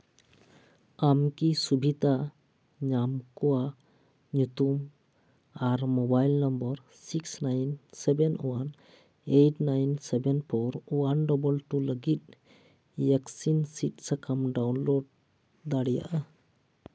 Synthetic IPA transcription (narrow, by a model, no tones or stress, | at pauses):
amkisubʱit̪a | ɲamkɔwa | ɲut̪um | aɾmobajlnɔmbɔɾ | siksnajnsɛbɛnwan | eʈnajnsɛbɛnpʰɔɾwanɖɔbɔlʈuləɡit̪̚ | jɛksinsit̚səkamɖawnloɖ̚ | d̪aɽija̰ʔa